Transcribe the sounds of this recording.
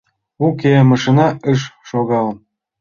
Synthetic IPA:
ukemɑʃinɑəʃʃoɣɑləm

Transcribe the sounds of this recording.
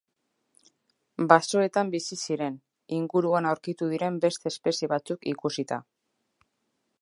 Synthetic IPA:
baso̞e̞t̪ambisisiɾe̞n | iŋɡuɾuanawɾkit̪uð̞iɾe̞mbe̞st̪e̞ːspe̞sjeβat͡sukikusit̪a̰

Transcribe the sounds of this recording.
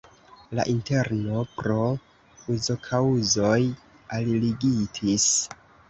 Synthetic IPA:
la̰ʔinte̞ɾno̞pɾo̞ | uzo̞kʰauzo̞j | alliɡitʰis

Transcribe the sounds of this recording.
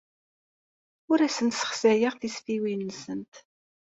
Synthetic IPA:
ʊɾæsənt̪sə̥χsæjəʁθisfiwinsənt̪

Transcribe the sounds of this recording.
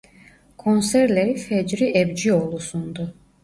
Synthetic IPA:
kʰo̞nsɛɾlʲeɾifɛd͡ʒɾiʔɛbd͡ʒio̞lˠusund̪u

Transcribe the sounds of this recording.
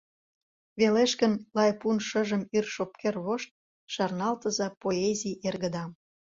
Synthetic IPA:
βeleʃkənlɑjpunʃəʒə̆myrʃop̚kerβoʃt̪̚ | ʃɑrnɑlt̪ə̆zɑpoezʲijerɣə̆d̪ɑm

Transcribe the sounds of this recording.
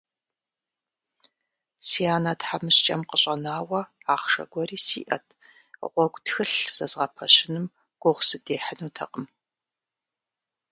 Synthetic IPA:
siaːnatħamɨɕt͡ʃʼɐmqəɕʼɐnaːwɐaːχʂɐ̰ɡʷɔɾiːsiːʔɐ̰tʰ | ʁʷɔɡʷtxɨɬz̥ɐzʁɐpʰɐɕɪnɨm | ɡ̥ʷɔʁʷsɨdeːħənuːtʰɐ̰qʼəm

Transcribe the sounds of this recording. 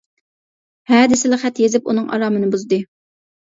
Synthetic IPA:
hɛːd̪ɪsɪlɪχɛt̪jezɪpṵnɨŋʔɑ̰ɾɑːmɨnɨbuzd̪ɨ

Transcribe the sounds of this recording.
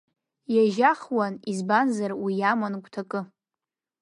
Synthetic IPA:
jaʒaχwanizbanzarwijamankʷʼtʰakʼɨ

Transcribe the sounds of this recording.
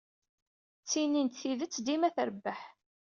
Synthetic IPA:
t͡sːinint̪θiðət͡sːd̪imæθəɾəbːəħ

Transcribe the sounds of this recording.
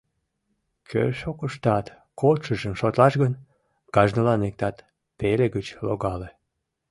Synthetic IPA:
kʰø̰ʃokəʃt̪ɑt̪ | kolʃəʒəmʃot̪lɑʃɣən | ɡ̥ɑʒnəlɑnek̚t̪ɑt̪ | peleɡət͡ɕloɣɑle

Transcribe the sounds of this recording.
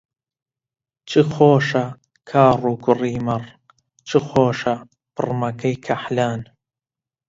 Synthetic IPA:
t͡ʃʰɨxoːʃɐ | kʰaːruːɡʊriːmɐr | t͡ʃʰɨxoːʃɐ | pʰɨ̰rmɐkʰɐjkʰɐħlaːn

